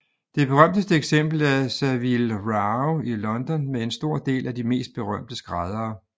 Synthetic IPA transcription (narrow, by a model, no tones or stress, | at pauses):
d̥e̝b̥e̝ʁɶm̰d̥əsd̥əeɡ̥sem̰b̥l̩æsæʋilʁɑʊilɒ̽nd̥ɒ̽nmee̝nsd̥o̝ɐ̰d̥e̝̰ːlʔæd̥ime̝̰ːsd̥̚b̥e̝ʁɶm̰d̥əsɡ̥ʁɑð̞ˠɐː